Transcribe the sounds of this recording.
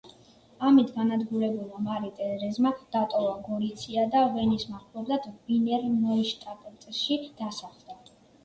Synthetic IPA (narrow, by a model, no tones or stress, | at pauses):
amit̪ʰɡanad̪ɡuɾɛbulˠmamaɾit̪ʼɛɾɛzmad̪̥at̪ʼɔvaɡɔɾit̪sʰiad̪avɛnismaχlˠɔblˠad̪̥binɛɾmɔiʃt̪ʼap̪ʼɛt̪sʼɛʃid̪̥asaχlˠd̪a